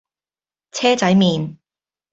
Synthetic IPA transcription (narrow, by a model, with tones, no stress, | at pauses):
t͡sʰɛː˥t͡sɐ˨˥jmiː˨n